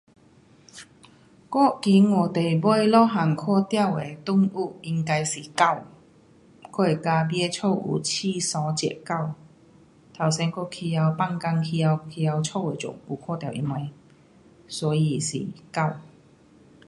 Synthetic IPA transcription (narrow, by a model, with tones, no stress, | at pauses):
kɔ˥˨ki˨˦nwɔ˨˩t̪e˨˩jbɔ˥˩jlɔ˥ɦa˨˩ŋkʰɔ˥˧t̪ja˥˧˨wḛ˨˩t̪ʊ˥ŋu˥˩i˧ŋka˧jsi˨˩ka˥˧˨w | kɔ˥˩e˨˩kaː˧bjɛ˥t͡sʰo˥˧wʔṵ˨˩t͡ɕʰi˥˧sɔ˨˦t͡ɕɛ̰˨˩ka˥˨w | t̪ʰa˨˩wsɛ˧nkɔ˥kʰi˧ja˧wpa˥˧ŋka˧ŋkʰi˧a˧wkʰi˧ja˧wt͡sʰo˥˧we˨˩t͡sʊ̰˨˩ŋpu˧kʰɔː˥˧t̪ja˥˩wʔḭ˧nwa˧j | sɔ˨˦ji˨sḭ˨˩ka˥˩w